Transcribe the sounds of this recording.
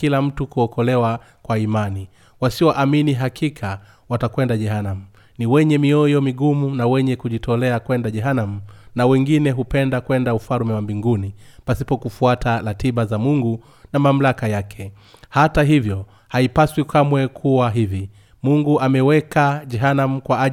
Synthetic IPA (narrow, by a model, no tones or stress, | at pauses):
kilam̩tukuɔkɔlɛwa | kwaimani | wasiwɔʔaminiɦakikʰa | watakwɛndaʄɛhanam̩ | niwɛɲɛmiɔjɔmiɠumunawɛɲɛkuʄitʰɔlɛakwɛndaʄɛɦanam̩nawɛŋɡinɛɦupɛndakwɛndaufaɾmɛwambiŋɡunipasi̥pɔkufuatʰaɾatiɓazamuŋɡu | namam̩lakajakʰɛ | hataɦivjɔ | haipaswikʰamwɛkʰuwaɦivi | muŋɡuʔamɛwɛkaʄɛɦanam̩kwaa